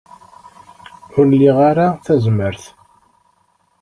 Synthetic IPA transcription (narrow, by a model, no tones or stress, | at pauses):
ħʊɾlːiʁaɾaθæzməɾθ